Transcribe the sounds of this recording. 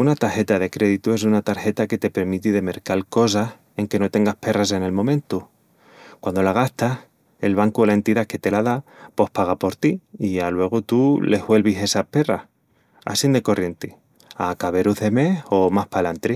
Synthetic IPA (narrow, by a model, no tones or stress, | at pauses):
unat̪aɾxe̞t̪aðe̞kɾe̞ðit̪ue̞s̬unat̪aɾxe̞t̪ake̞t̪e̞pe̞ɾmit̪iðe̞me̞ɾkalko̞s̬ah | e̞ŋke̞no̞t̪e̞ŋɡahpe̞rase̞ne̞lmõ̞mẽ̞nt̪u | kwand̪o̞laɣ̞ast̪ah | e̞lβaŋkuolae̞nt̪iðake̞t̪elaðapo̞hpaɣ̞apo̞ɾt̪iialwe̞ɣ̞ut̪ule̞ɦβwe̞lβise̞sahpe̞rah | a̰sind̪e̞ko̞rje̞nt̪e | akaβ̞e̞ɾuðe̞me̞ho̞mahpalant̪ɾi